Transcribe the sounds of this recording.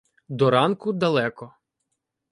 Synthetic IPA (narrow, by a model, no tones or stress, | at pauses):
d̪ɔɾɑnkʊd̪ɐlˠɛkɔ